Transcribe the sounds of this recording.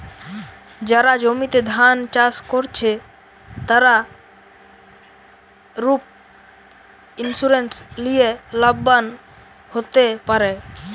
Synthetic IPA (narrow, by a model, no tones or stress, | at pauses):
d͡ʒəɾad͡ʒomit̪ed̪ʱant͡ʃaskɔɾt͡ʃʰe | t̪əɾa | ɾup̚ | insuɾenʈslijeləbən | hot̪epəɾe